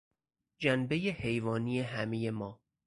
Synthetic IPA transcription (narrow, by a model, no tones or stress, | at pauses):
d͡ʒænbe̞je̞he̞jvɒːniːje̞ɦæme̞je̞mɒː